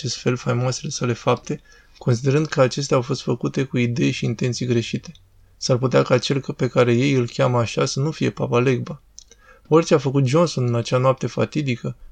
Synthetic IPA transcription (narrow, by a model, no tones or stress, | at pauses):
t͡ʃe̞st̪fe̞lfajmoase̞le̞sale̞fap̚t̪e̞ | ko̞nsid̪e̞ɾɨnd̪kʰəat͡ʃe̞st̪eawfo̞st̪fəkut̪e̞kuid̪e̞jʃiːnt̪ent̪sijɡɾe̞ʃit̪e̞̥ | sarput̪eakat͡ʃe̞lpe̞kaɾe̞je̞jɨlkʲaməaʃasənufije̞pa̰pale̞ɡba | o̞rt͡ʃe̞afəkut̪̚d͡ʒo̞nso̞nɨnat͡ʃeanoap̚t̪e̞fa̰t̪id̪ikə